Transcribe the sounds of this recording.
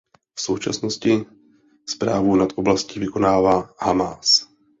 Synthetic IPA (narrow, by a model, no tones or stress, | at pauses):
fsowt͡ʃa̰snoscɪ | spɾaːvunat̪oblascivɪkonaːvahamaːs